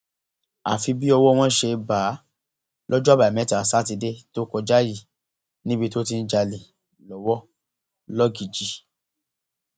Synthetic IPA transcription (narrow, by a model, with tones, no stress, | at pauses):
a̰˨fi˧bi˦ɔ˧wɔ˦w̃ɔ̃˦ʃe˧ba˨˦ | lɔ˦d͡ʒɔ˦a˦ba˨mɛ̃˨˦ta˨sa˦t̬i˧de˦to˦kɔ˧d͡ʒa˦ji˦˨ | nĩ˦bi˧to˦ti˧n̩˦d͡ʒa˧le˨ | lɔ˨˦wɔ˦ | lɔ˦ɡi˨d͡ʒi˨˦